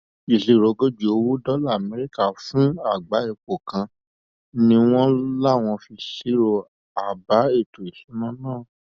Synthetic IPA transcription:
i˨si˨ɾo˨ɡo˦d͡ʒu˨o˧wo˦dɔ˦la˦˨mɛ˦ɾi˦ka˦˨fũ˦a˦˨ɡ͡ba˨˦e˧˨k͡po˨kã˧ | nĩ˧w̃ɔ̃˦la˦˨w̃ɔ̃˧fi˧si˦ɾo˦˨ | a˨ba˨˦e˦˨to˨i˨sũ˨˦nã˦˨nãː˦˨

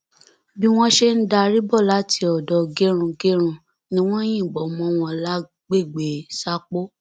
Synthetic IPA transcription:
bi˦w̃ɔ̃˦ʃe˦n̩˦da˧ɾi˦bɔ˦˨la˦tʰi˧ɔ˨dɔ˨ɡe˦ɾ̃ũ˧ɡe˦ɾ̃ũ˧ | nĩ˦w̃ɔ̃˦j̃ĩ˦˨ɡ͡bɔ˨˦mɔ̃˧˦w̃ɔ̃˧la˦ | ɡ͡be˦˨ɡ͡be˨sa˦k͡po˦

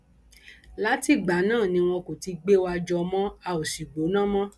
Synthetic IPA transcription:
la˦ti˦˨ɡ͡ba˨˦nãː˦˨nĩ˧w̃ɔ̃˧ko˨ti˧ɡ͡be˦wa˧d͡ʒɔ˧mɔ̃˦a˧o˨ʃi˨ɡ͡bo˨˦nã˦˨mɔ̃˦

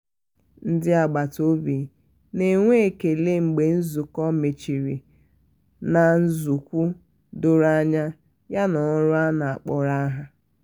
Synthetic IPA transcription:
n̩˦dɪ˦a˨ɡ͡ba˨to˦bi˨ | ne˨ŋʷe˦e˨ke˨le˦ŋ͡m̩˨ɡ͡be˨n̩˦zu˨kɔ˦me˨t͡ʃi˨ɾi˨ | na˨n̩˦zu˨kʷu˦ | dʊ˦ɾa˦ɲa˦ | ja˦nɔ˨˦ɾʊ˦a˦na˨a˨k͡pɔ˨ɾa˦ɦa˦

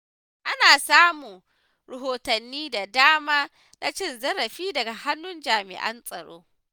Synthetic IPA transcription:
ʔa˦naː˨saː˦muː˨ | ɾɐ˨ɦoː˨tɐ˨nːiː˦da˨daː˦maː˦ | na̰˦t͡ʃɪ˦nzɐ˦ɾɐ˨ɸiː˦dɐ˨ɡa˨ha˦nːʊ˦nd͡ʒaː˨mɪ̰˨ʔɐ̰˦nsʼɐ˨ɽo̰ː˦

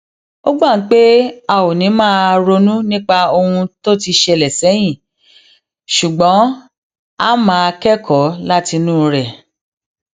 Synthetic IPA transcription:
o˦ɡ͡ba˦˨n̩˨˦k͡pe˦a˧wo˨nĩ˨˦mãː˦˧ɾo˧nũ˦nĩ˦k͡pa˧o˧hũ˧to˦ti˧ʃe˧˨lɛ˨sɛ˨˦j̃ĩ˦˨ | ʃu˨ɡ͡bɔ̃˨˦ | a˦mãː˦˧kɛ˦kʰɔ˨˦la˦ti˧nũ˦˧ɾɛ˨

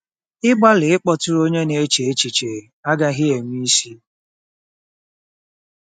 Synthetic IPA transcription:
ɪ˦ɡ͡ba˦lɪ˨ɪ˦k͡pɔ˨tʊ˦ɾo˦ɲe˦ne˨e˦t͡ʃe˨e˦t͡ʃi˨t͡ʃe˨e˨a˦ɡa˦ɦɪ˦e˨ŋʷ˦i˦si˦

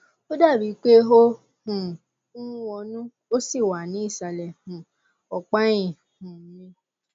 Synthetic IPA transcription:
o˦da˦˨bi˨˦k͡pe˦ɦo˦ | hũ˨ | ũ˦wɔ˧nũ˦ | o˦si˦˨wa˨nĩ˨˦i˦˨sa˨lɛ˨hũ˨ | ɔ˨k͡pã˦ĩ˨ | hũ˨˦nĩ˧

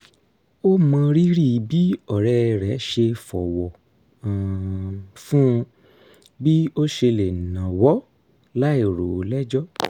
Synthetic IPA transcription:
o˦mã˧ɾi˦ɾi˦˨bi˨˦ɔ˦˨ɾɛ˧ɾɛ˨˦ʃe˧fɔ˨wɔ̃˨ | fũ˦˧ | bi˦o˦ʃe˧le˨nã˨wɔ˨˦ | la˦e˦˨ɾo˨lɛ˦d͡ʒɔ˦

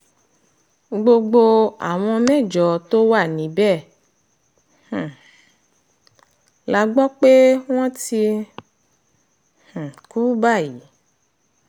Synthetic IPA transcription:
ɡ͡bo˧ɡ͡bo˧a̰˨w̃ɔ̃˧mɛ̃˦˨d͡ʒɔ˨˦to˦wa˦˨nĩ˨˦bɛ˦˨ | h̩˨ | la˨˧˦ɡ͡bɔ˦k͡pe˦w̃ɔ̃˦ti˧ | h̩˨ku˦ba˦˨ji˨˦

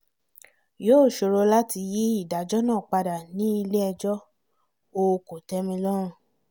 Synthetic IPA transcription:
joː˦˨ʃo˧ɾo˧la˦ti˧ji˦i˦˨da˨d͡ʒɔ˦nãː˦˨k͡pa˧da˨nĩ˨˦i˧le˦ɛ˧d͡ʒɔ˦ | o˧ko˨tɛ˧˦mĩ˧lɔ˦ɾ̃ũ˦˨

